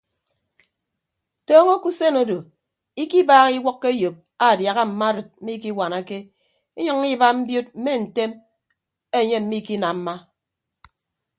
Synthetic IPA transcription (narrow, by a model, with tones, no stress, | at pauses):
tɔː˦ŋo˦ku˦se˦no˦do˨ | i˦ki˦baː˦ɣi˦wɔ˦kːe˦jo˨p̚a˨dja˨ɣa˦m̩˨ma˦ɾɨ˨t̚m̩˦mi˦ki˦wa˨na˨ke˦ | e˦ɲɔ˦ŋ˦i˦ba˦m̩˦bjo˦t̚m̩˦me˦n̩˨te˦m | e˦˨ɲe˦m̩˨˦mi˦ki˦na˨m̩˦ma˦